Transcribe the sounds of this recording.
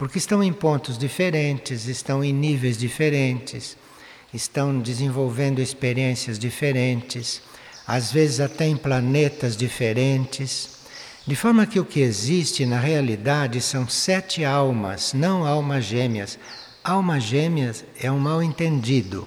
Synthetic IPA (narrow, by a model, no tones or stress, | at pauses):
poɾkɪst̪ɐ̃w̃ẽj̃põnt̪ʊzd͡ʒifeɾẽnt͡ʃɪzɪst̪ɐ̃w̃ẽj̃nivejzd͡ʒifeɾẽnt͡ʃɪs | ɪst̪ɐ̃w̃d͡ʒ̪ɪzẽvowvẽnd̪ʊespeɾiẽsiɐzd͡ʒifeɾẽnt͡ʃɪs | azvezɪzat̪ɛẽplanet̪ɐzd͡ʒifeɾẽnt͡ʃɪs | d̪ɪfɔɾmɐkɪʊkɪezist͡ʃɪnɐɦealid̪ad͡ʒɪsɐ̃w̃sɛt͡ʃɪawmɐ̰snɐ̃w̃awmɐʒẽmiɐs | awmɐʒẽmiɐz | ɛũmawẽnt̪ẽnd͡ʒid̪ʊ̰